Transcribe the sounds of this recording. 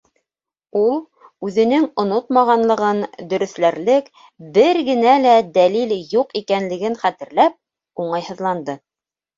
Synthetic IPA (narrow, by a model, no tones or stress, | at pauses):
ulˠ | ʉðɘ̆nɘŋŏnot̪mɑʁɑnlˠɤ̆ʁɤnd̪ɵ̆ɾɵ̆θlæɾlɘk | bɘɾɡɘ̆nælæd̪æliljuqikænlɘ̆ɡɘnχæt̪ɘ̆ɾlæp̚ | uɴɑjhɤ̆ðlˠɑnd̪ɤ